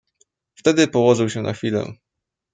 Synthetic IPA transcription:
ft̪ɛd̪ɘpɔwɔʐɘwɕɛna̰xfʲilɛ̰̃

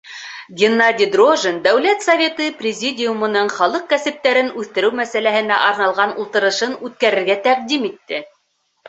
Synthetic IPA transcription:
ɡʲɪnːadʲid̪roʒənd̪æwlæt̪sɐvʲet̪ɤprʲɪzʲidʲɪjumɤ̆nɤɴχɑlˠɤq̚kæsɘ̆p̚t̪æɾɘnʉθt̪ɘ̆ɾɘwmæsælæhɘ̆næ̰ʔɑɾnɑlˠʁɑnulˠt̪ɤ̆ɾɤ̆ʃɤnʉt̪kæɾɘ̆ɾɡæt̪æq̚d̪imit̪ːɘ

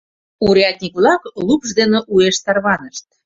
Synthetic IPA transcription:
uɾjɑt̪̚ʲnʲikβlɑklupʒd̪eneʔueʃt̪ɑrβɑnəʃt̪̚

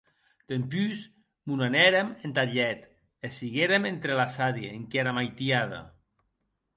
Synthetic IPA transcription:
t̪empys | munanɛɾement̪aʎɛt̪ | esiɣeɾement̪ɾelasaðieŋkeɾamajt̪iaða̰

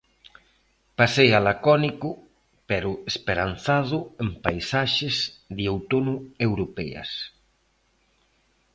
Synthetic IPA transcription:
pasejalakɔnikʊ | pɛɾʊespeɾan̟θaðʊempajsaʃɪzðiowt̪onʊewɾopɛ̰ɐ̰s

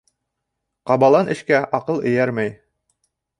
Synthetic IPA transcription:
qɑbɑlˠɑnɘ̆ʃkæʔɑqɤlˠɘ̆jæɾmæj

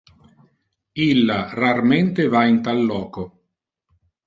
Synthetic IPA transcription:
ilːararment̪evaint̪alːɔːko

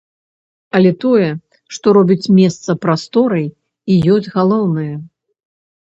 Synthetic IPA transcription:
ɐlʲɛt̪ɔjɛ | ʂt̪ɔɾɔbʲit͡sʲmʲɛst̪sɐpɾast̪ɔɾɐj | ijɔsʲdʲɣalˠɔwnɨjɛ

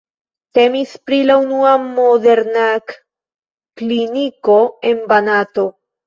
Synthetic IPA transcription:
te̞mispɾilaunuamode̞ɾnak | kliniko̞e̞nbanato̞

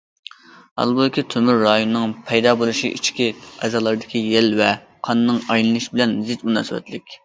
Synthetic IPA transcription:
ɑ̰lˠbud̪ɪkʲit̪ʰømyɾːɑjonɨnɨŋpʰɛjd̪ɑːbolˠuʃiʔḭt͡ʃʰkʲiɛzɑːlˠɑɾd̪ɪkʲʰijɛlvɛ | qʰɑnːɨŋɑjlˠɨnɨʃibɪlɛnzɪt̪munɑ̰ːsɨwɛ̰t̪lɪkʲ

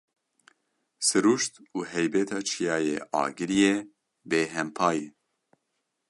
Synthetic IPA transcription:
sɨɾuːʃt̪uːɦɛjbɛt̪ʰɑːt͡ʃʰijɑːjḛːʔɑ̰ːɡɨɾijeː | beːɦɛmpʰɑːje

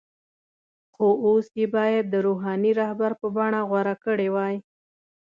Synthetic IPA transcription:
xoosjebɑjad̪ːəɾoɦɑniɾɑhbaɾpəbɑɳaɣwaɾakəɽewɑj

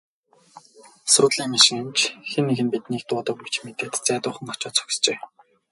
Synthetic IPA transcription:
sʊt̪ɮiːŋmaʃɪ̆ŋemt͡ɕxenːeɣɘ̆npit̪niːk̚t̪ʊːt̪ə̆kut͡ɕmet̪eːt̪t͡sæːt̪ʊːχə̆ŋat͡ɕʊːt͡sʰɵ̥kʲst͡ɕeː

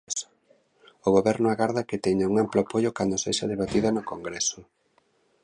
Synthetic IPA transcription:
s | oɣoβɛɾnʊaɣaɾðakɪt̪ɛɲauŋamplopoʎokand̪oseʃɐðeβat̪iðɐnʊkoŋɡɾɛsʊ

